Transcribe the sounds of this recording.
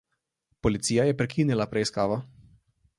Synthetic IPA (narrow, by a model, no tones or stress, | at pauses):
pɔlit̪siːjajɛpɾɛkʰiːnilapɾɛiskaːʋa